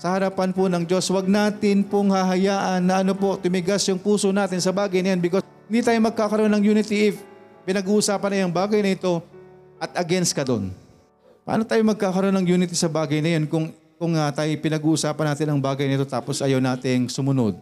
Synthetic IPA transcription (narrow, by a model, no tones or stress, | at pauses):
sɐhɐɾɐpanponɐŋd͡ʒo̞swɐɡ̚naːt̪ɪnpoŋhaɦɐjaːʔɐnːɐʔɐno̞po̞t̪ʊmɪɡasjʊŋpuːsonaːt̪ɪnsɐbaːɡɐjnɐjanbɪkoshɪnd̪iːt̪aːjomɐɡ̚kaːkɐɾoʔonːɐŋjuːnɪt̪ɪʔɪf | pɪnɐɡuːʔʊsaːpɐnːɐjɐŋbaːɡɐjnɐɪt̪o̞ | ʔɐt̪ʔɐɡɛnskɐd̪o̞̰n | pa̰ːnot̪aːjomɐɡ̚kaːkɐɾoʔo̞nːɐŋjuːnɪt̪ɪsɐbaːɡɐjnɐjankʊŋ | kʊŋat̪ajpɪnɐɡuːʔʊsaːpɐnaːt̪ɪnɐŋbaːɡɐjnɐɪt̪o̞t̪a̰ːposʔɐjɐwnaːt̪ɪŋsʊmʊno̞̰d̪̚